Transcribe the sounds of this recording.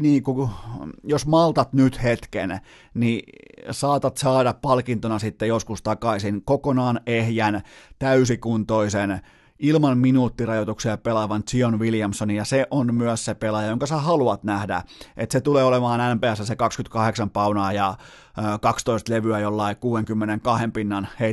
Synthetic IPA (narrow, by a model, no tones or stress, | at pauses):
niːŋku | josmɑlt̪ɑt̪nyt̪het̪kḛn | nisɑːt̪ɑt̪sɑːdɑppɑlkint̪onɑsit̪ːejoskust̪ɑkɑisinkokonɑːnehjænt̪æysikunt̪oisen | ilmɑnminuːt̪ːirɑjot̪uksiɑpelɑʋɑnt͡ʃionʋiljɑmsonijɑseʔonmyœssepelɑjɑjoŋkɑsæhɑluɑt̪næhdæ̰ʔḛt̪set̪uleːolemɑːnænpeæsːæsekɑkskyt̪kɑheksɑmpɑunɑːjɑ | kɑkst̪oist̪leʋyæjolːɑikuːeŋkymːeneŋkɑhempinːɑnhe